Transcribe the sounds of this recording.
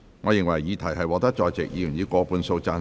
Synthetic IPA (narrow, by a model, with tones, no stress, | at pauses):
ŋɔː˨˧jɪ˨ŋwɐ˨˩jːiː˨˧t̪ʰɐ˨˩jɦɐ˨jwɔː˨˥t̪ɐ˥k̚t͡sɔː˧jt͡sɪ̰˨k̚jiː˧y˨˩njiː˨˧kʷɔː˧puː˨nso˧wt͡saː˧